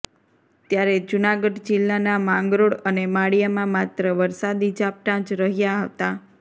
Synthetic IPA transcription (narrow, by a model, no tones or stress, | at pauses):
t̪jaɾed͡ʒunaɡəɖd͡ʒɪlːanamãŋɡɾoɽənemaɽijamãmat̪ɾəʋəɾsad̪id͡ʒap̚ʈãt͡ʃɾəɦjaɦət̪a